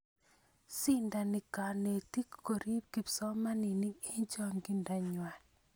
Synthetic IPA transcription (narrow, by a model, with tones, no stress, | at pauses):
si˦nda˨nɪ˨ka˨ne˨ti˦kko˨ɾi˦p̚ki˨psɔ˦ma˦ni˨ni˦i˦ɲt͡ʃɔ˦ŋɡi˦nda˨ɲwa˨l